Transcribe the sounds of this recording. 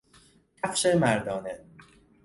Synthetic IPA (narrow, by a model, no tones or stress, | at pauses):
æfʃemæɾd̪ɒːne